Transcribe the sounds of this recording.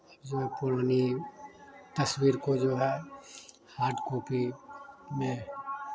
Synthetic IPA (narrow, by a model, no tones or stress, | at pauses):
d͡ʒoɦɛpʊɾaːni | t̪ɐswiːɾkod͡ʒoɦɛ | haːɾʈkoːpi | mẽ